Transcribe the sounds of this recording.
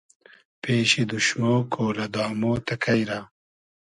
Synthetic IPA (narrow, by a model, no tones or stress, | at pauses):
peːɕid̪uʃmoːkʰoːlɐd̪aːmoːt̪ɐkʰɐjɾa